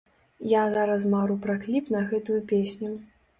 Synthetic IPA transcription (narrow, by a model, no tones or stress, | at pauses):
jazaɾɐs̬maɾupɾaklʲipnɐɣɛt̪ujupʲesʲnʲu